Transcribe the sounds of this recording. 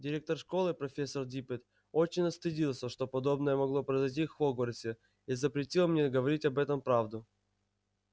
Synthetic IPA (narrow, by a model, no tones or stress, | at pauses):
dʲɪɾʲe̞k̚t̪ərʂko̞lˠɨpɾɐfʲesːərdʲipʲɪt̪ | ot͡ɕɪnʲɐst̪ɨdʲilˠsʲəʂt̪o̞pɐd̪o̞bnəjəmɐɡlˠo̞pɾəzɐjt̬ʲifvoɡvərʲsʲɪ | izəpɾʲɪtʲilˠmnʲeɡəvɐɾʲitʲɐbɛt̪əmpɾavd̪ʊ